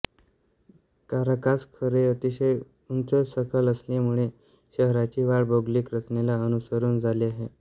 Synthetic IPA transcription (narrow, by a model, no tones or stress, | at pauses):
kaɾəkaskʰəɾeət̪iɕəj | unt͡səsəkʰələslemuɭe | ɕəɦɾat͡ɕiːʋaɭboɡliːkɾət͡snelaənusəɾuːnd͡zʱaleaɦe